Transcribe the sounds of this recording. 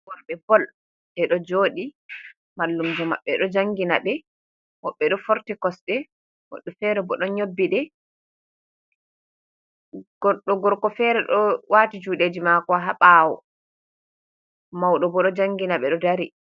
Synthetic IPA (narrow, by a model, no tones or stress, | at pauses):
wɔɾbɛbɔl | dɛɗɔd͡ʒoːɗi | malːumd͡ʒɔma̰ɓːɛɗɔd͡ʒaŋɡinaɓɛ | wɔɓːɛɗɔfɔɾtikɔsɗɛ | wɔ̰ɗufɛɾɛbɔɗɔɲobːiɗɛ | ɡɔɗɔɡɔɾkɔfɛɾɛɗɔwʔaːtid͡ʒuɗed͡ʒimakɔɦaɓaːwɔ̰ | mawɗɔbɔɗɔd͡ʒaŋɡinaɓɛɗɔdaɾi